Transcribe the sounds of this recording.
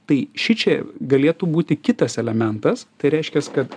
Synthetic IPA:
t̪ɐɪʃʲɪt͡ʃʲɛɡɐlʲeːt̪uːbuːt̪ʲɪkʲɪt̪ɐsɛlʲɛmʲɛnt̪ɐst̪ɐɪɾʲɛɪʃʲkʲɛskɐt̪

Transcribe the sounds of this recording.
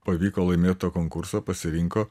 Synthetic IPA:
pɐʋʲiːkoːlˠɐɪmʲeːt̪oːkoŋkʊɾsoːpɐsʲɪɾʲɪŋkoː

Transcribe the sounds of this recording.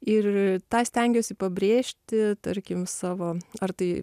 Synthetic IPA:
ɪrt̪ɑːsʲt̪ʲɛŋʲɡʲoːsʲɪpɐbʲɾʲeːʃʲt̪ʲɪt̪ɐɾʲkʲɪmsɑːʋoːɐrt̪ɐɪ

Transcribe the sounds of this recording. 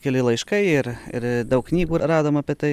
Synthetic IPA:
kʲɛlʲɪlˠɐɪʃkɐɪɪɾɪ̰ɾd̪ɐʊkknʲiːɡuːɾɑːd̪oːmɐpʲɪt̪ɐɪ

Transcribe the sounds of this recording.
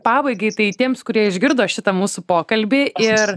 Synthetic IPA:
pɑːbɐɪɡɐɪt̪ɐɪt̪ʲiɛmskʊɾʲiɛɪʒʲɡʲɪɾd̪oːʃʲɪt̪ɐmuːsʊpoːkɐlʲbʲɪɪr

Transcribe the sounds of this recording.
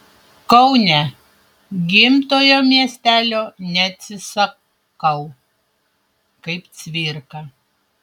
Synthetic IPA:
kɐʊnʲɛ | ɡʲɪmt̪oːjoːmʲiɛsʲt̪ʲæːlʲoːnʲɛɐt̪ʲsʲɪsɐ | kɐʊ | kɐɪp̪sʲʋʲɪɾkɐ

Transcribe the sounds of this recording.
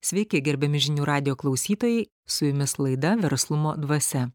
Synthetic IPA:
sʲʋʲɛɪkʲɪɡʲɛɾʲbʲɛmʲɪʒʲɪnʲuːɾɑːd̪ʲɪjoːklˠɒʊsʲiːt̪oːjɛɪ | sʊjʊmʲɪslˠɐɪd̪ɐʋʲɛɾslˠʊmoːd̪ʋɐsʲɛ

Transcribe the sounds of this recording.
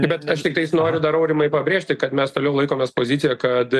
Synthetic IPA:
bʲɛt̪ɐʃt̪ʲɪk̚t̪ɐɪsnoːɾʲʊd̪ɐɾɐʊɾʲɪmɐɪpɐbʲɾʲeːʃʲtʲɪkɐt̪mʲɛst̪oːlʲɛʊlˠɐɪkoːmʲeːspoːzʲɪt̪ʲɪjɛkɐt̪

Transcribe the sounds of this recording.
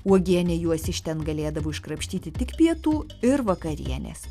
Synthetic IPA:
uɔɡʲiɛnʲɛjuɔsʲɪʃʲt̪ʲɛnɡɐlʲeːd̪ɐʋoːɪʃkɾɐpʲʃʲt̪ʲiːt̪ʲɪt̪ʲɪkpʲiɛt̪uːɪɾʋɐkɐɾʲḭɛnʲḛːs

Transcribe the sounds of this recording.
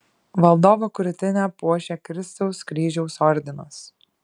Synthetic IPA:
ʋɐlˠd̪oːʋokʊɾʲʊt̪ʲɪnʲæːpuɔʃʲɛːkɾʲɪst̪ɐʊskɾʲiːʒʲɛʊsɔɾʲd̪ʲɪnos

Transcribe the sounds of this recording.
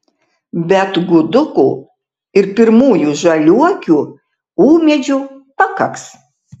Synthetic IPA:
bʲɛt̪ɡʊd̪ʊkuː | ɪɾpʲɪɾmuːjuːʒɐlʲuɔkʲuː | uːmʲɛd͡ʒʲuːpɐkɐks

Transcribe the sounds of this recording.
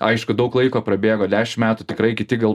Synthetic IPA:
ɐɪʃkʊd̪ɐʊklˠɐɪkoːpɾɐbʲeːɡoːd̪ʲæːʃʲɪmmʲæːt̪ʊt̪ʲɪkɾɐɪkʲɪt̪ʲɪɡɐlˠ

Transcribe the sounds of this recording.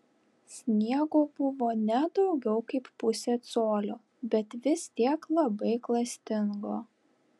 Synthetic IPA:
sʲnʲiɛɡoːbʊʋoːnʲɛd̪ɒʊɡʲɛʊkɐɪppʊsʲeːt̪soːlʲoː | bʲɛt̪ʋʲɪst̪ʲiɛklˠɐbɐɪklˠɐsʲt̪ʲɪŋɡoː

